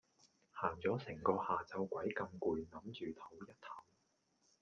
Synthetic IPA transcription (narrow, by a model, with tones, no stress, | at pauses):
haː˨˩ŋt͡sɔː˨˥sɪ˨˩ŋkɔː˧haː˨t͡sɐ˧wkʷɐ˨˥jkɐ˧mkuː˨jnɐ˨˧˥mt͡ʃyː˨t̪ʰo˨˥wjɐ˥t̚t̪ʰɐ˨˥w